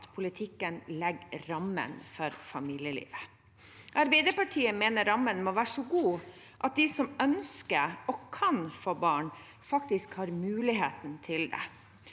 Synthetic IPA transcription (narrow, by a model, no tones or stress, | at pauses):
t̪pʰʊlɪt̪ʰɪkːənlɛɡɾɑmə̰nfɔɾfɑmiːljəlḭːʋə | ʔɑɾbæɪd̪əpɑʈʰiːəmeːnəɾɑmːənmoːʋæːʂɔɡuː | ʔɑt̪̚d̪ɪsɔmœnskəɾɔkʰɑnfoːbɑːɳ | fɑkt̪ɪskhɑːɾmʉːlɪɦeːt̪nt̪ʰɪld̪ɛ̰